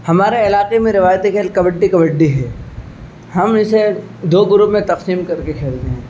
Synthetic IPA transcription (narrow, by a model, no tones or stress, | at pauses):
hɐmaːɾeɪlaːqemẽɾɪʋaːjt̪ekʰeːlkɐbəɖːikɐbəɖːiɦɛː | hɐmɪse | d̪oːɡʊɾupmẽt̪ɐqsiːmkɐɾkekʰeːlt̪eɦɛ̃ː